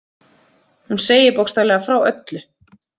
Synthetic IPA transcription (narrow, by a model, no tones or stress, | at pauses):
hunseːjɪɾpowkst̪alɛːɣafɾaːwœt̪lʏ